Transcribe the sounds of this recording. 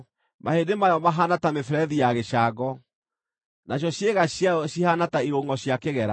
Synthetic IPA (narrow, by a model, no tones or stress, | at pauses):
mahedemajɔmaɦanatamefɾɛðijaɣeʃaɡɔ | naɕ̬jɔɕjeɣaɕjaɕihanataiɾoŋɡɔɕjakeɣɛɾa